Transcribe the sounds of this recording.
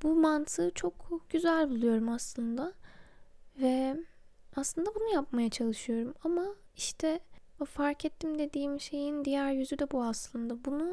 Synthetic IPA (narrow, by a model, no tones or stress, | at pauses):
b̥umant̪ʰɯt͡ʃʰo̞kʰɟ̥yzælʲbulˠujo̞ɾumaslˠɯnd̪a | vɛ | aslˠɯnd̪abunujap̚majat͡ʃʰalˠɯʃɯjo̞ɾumama | iʃt̪ʰɛfaɾcɛt̪ʰːimd̪e̞d̪iːmʃe̞jind̪ijæɾjyzyd̪ɛbuaslˠɯnd̪abunu